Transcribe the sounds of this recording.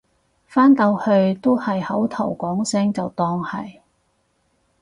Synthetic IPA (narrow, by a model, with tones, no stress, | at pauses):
faː˥nt̪ɐ˧whɵ˧ɥt̪o˥whɐ˨jhɐ˨˥wt̪ʰɐ˨˩wkʷɔː˨˥ŋsɪ˥ŋt͡sɐ˨wt̪ɔː˧ŋhɐ˨j